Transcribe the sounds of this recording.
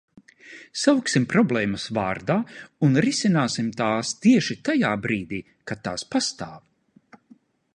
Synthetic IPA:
sawksimpɾɔblˠɛːmɐsvaːɾd̪aːunɾisinaːsimt̪aːst̪iɛʃit̪ajaːbɾiːd̪iː | kat̪ːa̰ːspast̪aːv

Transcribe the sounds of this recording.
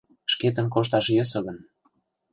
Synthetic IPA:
ʃket̪ə̆nkoʃt̪ɑʃjøsɤ̆ɣə̆n

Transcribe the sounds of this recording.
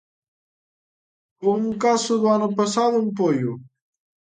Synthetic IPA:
umkasubaːnopɐsad̪umpoju

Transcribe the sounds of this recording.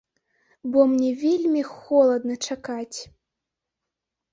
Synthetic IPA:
bɔmnʲɛvʲelʲmʲixɔlˠɐd̪nɐt͡ʂakat͡sʲ

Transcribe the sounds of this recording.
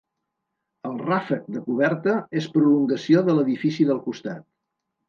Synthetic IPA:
əlˠrafək̚d̪əkuβ̞ɛɾt̪əespɾuluŋɡəsioðələðifisiðəlˠkust̪a̰t̪̚

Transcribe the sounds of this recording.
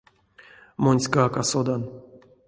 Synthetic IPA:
monʲsʲkaːkasod̪an

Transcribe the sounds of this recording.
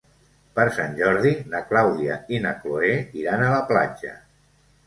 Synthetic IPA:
pəɾsanʲʒɔɾðinəklawðiainəkloeiɾanələpla̰d͡ʒə̰

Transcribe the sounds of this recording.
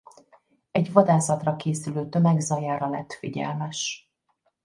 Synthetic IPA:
ɛɟvɒd̪aːsɒt̪rɒkeːsyløːt̪ø̞mɛɡzɒjaːɾɒlɛt̪ːfiɟɛ̰lmɛʃ

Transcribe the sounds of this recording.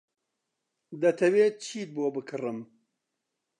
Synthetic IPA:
d̪ɐt̪ʰɐweːt͡ʃʰiːt̪̚boːbɨkʰɨrɨm

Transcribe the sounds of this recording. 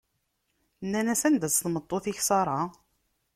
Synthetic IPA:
nːænæsænd̪æsθmət̪ˤːoθiçsɑɾˤɑ

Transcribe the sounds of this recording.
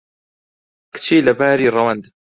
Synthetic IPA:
kt͡ʃiːlabaːɾiɾˤɑwand̪

